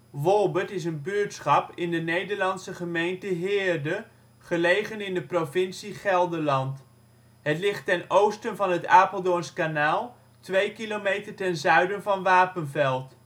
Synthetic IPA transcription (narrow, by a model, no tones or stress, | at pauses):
ʋɔlˠbətɪs̬ənbyːtsχɑpɪndənejdəɹlɑnsəχəmejntəɦɪːɹdə | χəlejχənɪndəprovɪnsiχɛlˠdəɹlɑnt | ɦətlɪχtːɛnowstənvɑnɦətaːpəlˠdonskanaːlˠ | tʋejkilomejtəɹtɛnzœɥdənvɑnʋaːpənvɛlˠt